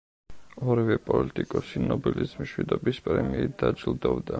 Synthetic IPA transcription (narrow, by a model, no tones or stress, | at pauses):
ɔɾivɛpʼɔlit̪ʼikʼɔsinɔbilismiʃwid̪ɔbispʼɾɛmiːd̪ad͡ʒilˠd̪ɔvd̪a